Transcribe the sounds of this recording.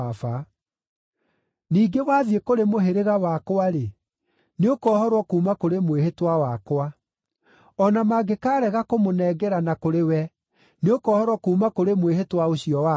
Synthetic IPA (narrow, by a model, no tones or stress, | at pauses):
fa | niːɡewaːðjekoɾemoɦeɾeɣawakwaɾe | neokɔːhɔɾwɔkuːmakoɾemwehetwawakwa | ɔnamaɡekaːɾɛɣakomonɛːɡɛɾanakoɾewɛ | neokɔːhɔɾwɔkuːmakoɾemweɦetwaoɕijɔwa